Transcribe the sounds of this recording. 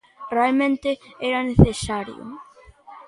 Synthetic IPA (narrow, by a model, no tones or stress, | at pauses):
ralmɛnt̪ɪɛɾanɛθɛsaɾj̰ṵm